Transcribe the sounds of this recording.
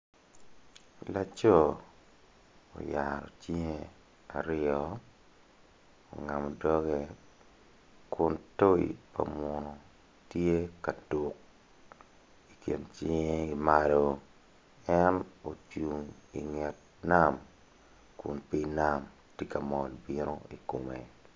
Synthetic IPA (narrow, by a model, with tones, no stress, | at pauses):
la˦t͡ʃo˦ | o̰˨ja˨ɾɔ̰˨t͡ʃi˦ŋe˦ | a̰˨ɾɪɔ˦ | o̰˨ŋa˨mɔ˨dɔ˦ɡe˦ | kʊ˨nto˦ḭ˨pa̰˨mɔ˨nɔ˨ | tje˦ka˨tu˨k̚ | i˨kje˨nt͡ʃi˦ŋe˦i˨ma˦lo˨ | ɛ˦no˨t͡ʃu˨ŋi˨ŋɛ˨t̚na˦m | kʊ˨npi˦na˦˨m | ti˦ka˨mɔ˨lbi˦ɾo˦i˨ko˨mḛ˨